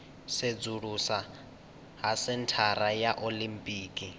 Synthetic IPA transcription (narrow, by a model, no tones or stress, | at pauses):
sed͡zuɺusa | ɦasɪntʰaɾajaʔolimpʼiːkʼi